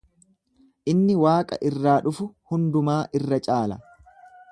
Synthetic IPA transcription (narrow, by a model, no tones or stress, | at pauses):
ʔɪnːɪwaːkʼɐ̰ʔɪrːaːᶑʊfʊhʊnd̪ʊmaːʔɪrːɐt͡ʃʼaːlɐ̰